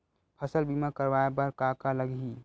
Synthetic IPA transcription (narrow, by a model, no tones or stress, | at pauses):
pʰəsəlbimakəɾʋaebəɾkakaləɡi